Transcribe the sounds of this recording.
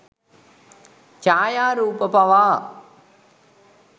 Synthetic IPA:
t͡ʃaːjaːɾuːpɐpɐʋaː

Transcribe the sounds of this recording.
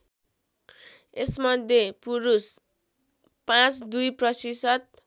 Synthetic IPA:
esmʌd̪ʱjepuɾus | pãt͡sd̪ujprʌsisʌt̪̚

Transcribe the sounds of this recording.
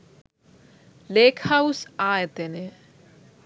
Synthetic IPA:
leːkʰhawsaːet̪ene

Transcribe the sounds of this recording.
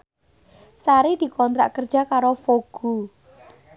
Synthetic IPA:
saɾid̪̥i̤kɔnt̪ɾa̰ʔkərdd͡ʒ̥akaɾofoɡ̥u

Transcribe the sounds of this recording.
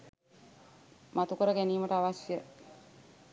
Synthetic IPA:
mat̪ukəɾəɡæniːməʈəaʋasjə

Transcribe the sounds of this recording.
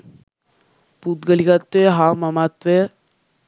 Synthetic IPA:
put̪̚ɡəlikat̪ʋeɦaməmat̪ʋe

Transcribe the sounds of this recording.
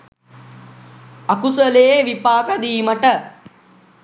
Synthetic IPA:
akusəleeʋipaːkəd̪iːməʈə

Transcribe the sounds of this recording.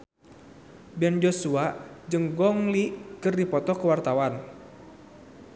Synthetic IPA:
bɛnd͡ʒosuaʔd͡ʒəŋɡɔŋlikɨrdipɔt̪ɔkəwart̪awan

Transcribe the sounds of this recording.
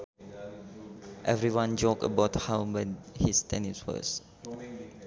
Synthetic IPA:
ʔɛvɹiwãnd͡ʒɔkə̰baʊthãbɛhistɛ̃niswə̰s

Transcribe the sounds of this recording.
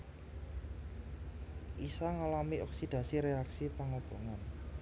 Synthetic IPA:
ʔisaŋalamiʔɔksid̪̥ä̤siɾeaksipaŋob̥ɔŋan

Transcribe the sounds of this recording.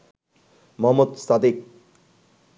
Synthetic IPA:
mɔɦmod̪sad̪ik̚

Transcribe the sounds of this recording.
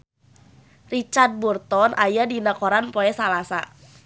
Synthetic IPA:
rit͡ʃard̪̚burt̪ɔnʔajadinakɔɾanpɔɛsalasa̰

